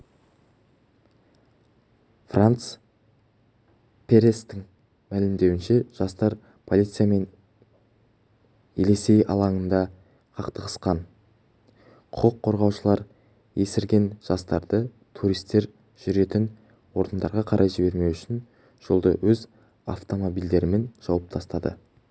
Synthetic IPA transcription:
frʔant̪s | pʰe̞ɾest̪ɪŋ | mælɪmd̪e̞wɪnʃe̞ʒ̥ɑst̪ɑɾ | pʰo̞lˠijt̪sɨjame̞n | elesejɑ̰lˠɑɴənd̪ɑ | qʰɑqt̪əqə̥sqɑn | qʰʊqəqʰːo̞ɾʁɑwʃəlˠɑɾ | je̞sɪɾɡʲe̞nʒ̥ɑst̪ɑɾd̪ə | t̪ʰuɾijst̪ːe̞ɾ | ʒ̥ʏɾe̞t̪ɪn | wo̞ɾd̪ənd̪ɑɾʁɑqʰɑɾʔɑjʒɪbe̞ɾme̞wʏʃɪn | ʒ̥o̞lˠd̪ə̰wɵz | a̰ft̪o̞mo̞bijld̪e̞ɾɪme̞nʒ̥ɑwɑp̚t̪ʰɑst̪ɑd̪ə̰

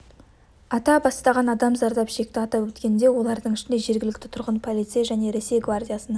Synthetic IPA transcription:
ɑt̪ɑbɑst̪ɑʁɑnɑd̪ɑmzɑɾd̪ɑpʃe̞k̚ʲt̪ɪɑt̪ɑwɵt̪kʲe̞nd̪e̞wo̞lˠɑɾd̪əɴɪʃɪnd̪e̞ʒe̞ɾɡʲɪlɪk̚ʲt̪ɪ̥t̪ʰʊɾʁənpʰo̞lˠit̪sɨjaʒæne̞ɾe̞sejɡvardʲijasənɑ

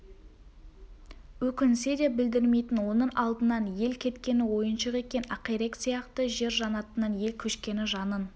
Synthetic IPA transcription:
wɵkʲɪnsed̪e̞p̚bɪld̪ɪɾme̞jt̪ɪnwo̞nəɴʔɑlˠd̪ənɑnje̞lkʲʰe̞t̪kʲe̞nɪwo̞jənʃəqe̞kʲe̞nɑqijɾeksijɑqt̪əʒe̞ɾʒɑnɑt̪ənɑnje̞lkʲʰɵʃkʲe̞nɪʒɑnən

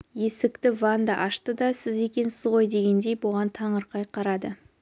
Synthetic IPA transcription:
je̞sɪkt̪ɪvand̪ɑʔɑʃt̪əd̪ɑsɪze̞kʲe̞nsɪzʁo̞jd̪e̞ɡʲe̞nd̪e̞jbʊʁɑnt̪ʰɑɴəɾqʰɑjqʰɑɾɑd̪ə

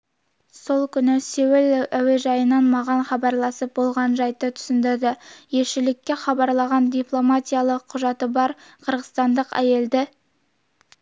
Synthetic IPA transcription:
so̞lˠkʲʰʏnɪsewɪlæweʒɑjənɑnmɑʁɑnχɑbɑɾlˠɑsəp̚bo̞lˠʁɑnʒɑjt̪ət̪ʰʏ̥sɪnd̪ɪɾd̪ɪje̞ʃɪlɪkʲːe̞χɑbɑɾlˠɑʁɑnd̪ʲiplˠo̞mat̪ʲijalˠəqʰːʊʒɑt̪əbɑɾqʰəɾʁəst̪ɑnd̪əqæ̰je̞ld̪ɪ

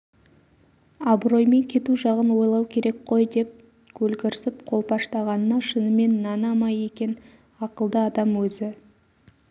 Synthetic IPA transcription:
abro̞jme̞ŋkʲʰe̞t̪uʒɑʁənwo̞jlˠɑwkʲʰe̞ɾe̞k̚qʰo̞jd̪e̞p̚ | kʲʰɵlɡʲɪɾsɪp̚qʰo̞lˠpɑʃt̪ɑʁɑnənɑʃənəme̞nːɑnɑmɑje̞kʲe̞n | ɑqəlˠd̪əɑd̪ɑmwɵzɪ

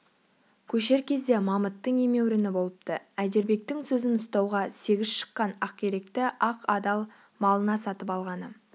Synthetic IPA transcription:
kʲʰɵʃe̞ɾkʲʰe̞zd̪e̞mɑmət̪ːəɴe̞me̞wɾɪnɪbo̞lˠəp̚t̪ə̰æd̪e̞ɾbe̞k̚t̪ɪŋsɵzɪnʊst̪ɑwʁɑse̞ɡʲɪz̥ʃə̥qːɑnɑq̚kʲʰeɾe̞kt̪ɪʔɑqɑd̪ɑlˠ | mɑlˠənɑsɑt̪əpɑlˠʁɑnə

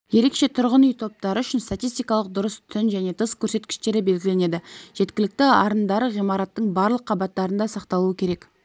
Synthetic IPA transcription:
je̞ɾe̞kʃe̞t̪ʰʊɾʁənʏjt̪ʰo̞p̚t̪ɑɾəʏʃɪnst̪at̪ijst̪ijkɑlˠəq̚d̪ʊɾəst̪ʰʏnʒæne̞t̪ʰəskʲʰɵɾse̞t̪kʲɪ̥ʃt̪e̞ɾɪbe̞lɡʲɪle̞ne̞d̪ɪʒ̥e̞t̪kʲɪlɪk̚t̪ɪɑɾənd̪ɑɾəʁijmɑɾɑt̪ːəɴbɑɾlˠəqʰːɑbɑt̪ːɑɾənd̪ɑsɑqt̪ɑlˠuəkʲʰe̞ɾe̞k

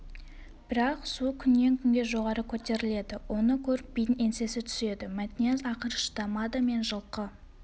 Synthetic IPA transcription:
b̥ɪɾɑqsukʲʰʏnːe̞ŋkʲʰʏnɡʲe̞ʒo̞ʁɑɾəkʲʰɵt̪e̞ɾɪle̞d̪ɪwʔo̞nəkʲʰɵɾɪp̚bijt̪ne̞nse̞sɪt̪ʰʏ̥se̞d̪ɪmæt̪nezɑqəɾəʃd̪ɑmɑd̪əme̞nʒəlˠqə

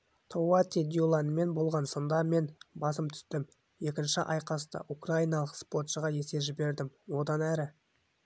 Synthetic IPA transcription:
t̪ʰowat̪ʲid̪ʲjulˠɑnəme̞nbo̞lˠʁɑnsənd̪ɑme̞nbɑsəmt̪ʰʏ̥st̪ɪm | je̞kʲɪnʃɪʔɑjqɑst̪ɑ̰ʔukraijnɑlˠəqspo̞t̪ʃəʁɑje̞se̞ʒɪbe̞ɾd̪ɪmwo̞d̪ɑnæɾɪ

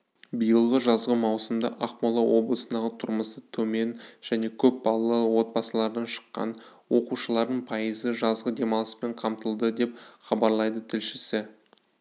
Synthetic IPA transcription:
bijəlˠʁəʒɑzʁəmɑwsəmd̪ɑ̰ʔɑqmɑlˠɑwʔo̞blˠəsənd̪ɑʁət̪ʰʊɾməsət̪ʰɵme̞nʒ̥æne̞kʲʰɵp̚bɑlˠɑlˠɑwo̞t̪̚bɑsəlˠɑɾd̪ɑnʃə̥qːɑ̰n | wo̞quʃəlˠɑɾd̪əɴpʰɑjəzəʒɑzʁəd̪e̞mɑlˠəspe̞ɴqʰɑmt̪əlˠd̪əd̪e̞p̚χɑbɑɾlˠɑjd̪ət̪ʰɪlʃɪsɪ

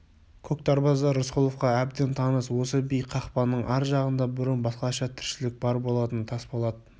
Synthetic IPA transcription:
kʲʰɵk̚t̪ɑɾbɑzɑʊsqʊlˠofqɑæb̚d̪ent̪ʰɑnəswo̞səbijqʰɑχpɑnːəɴʔɑɾʒɑʁənd̪ɑbʏɾənbɑsqɑʃɑt̪ʰɪɾʃɪlɪk̚bɑɾbo̞lˠɑt̪ənt̪ʰɑsbolˠɑd̪ə

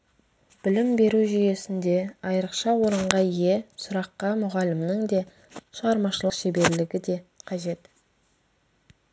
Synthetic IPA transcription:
b̥ɪlɪmbe̞ɾuʒʏje̞sɪnd̪e̞ɑjəɾəqʃɑwo̞ɾəɴʁɑije̞sʊɾɑqːɑmʊʁɑlɪmnɪŋd̪e̞ | ʃəʁɑɾmɑʃəlˠəqʃe̞be̞ɾlɪɡʲɪd̪e̞qʰɑʒe̞t̪

